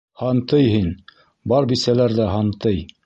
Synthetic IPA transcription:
hɑnt̪ɤjɦin | bɑɾbisælæɾðæɦɑnt̪ɤj

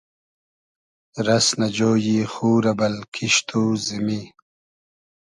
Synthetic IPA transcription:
ɾɐsnɐd͡ʑoːjixuːɾɐbɐlkʰiʃt̪ʰuːzimi

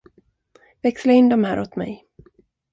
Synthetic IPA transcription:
vɛkslaɪnd̪ɔmɦæːɾɔt̪mɛ̰j

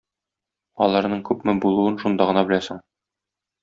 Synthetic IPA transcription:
ɒlˠɑɾnɤɴkʉpmɘbulˠuɤnʃund̪ɑʁɤ̆nɑbɘ̆læsɘɴ

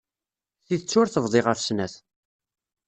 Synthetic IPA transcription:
θiðət͡sːʊɾθəvðˤɪʁəfsnæθ

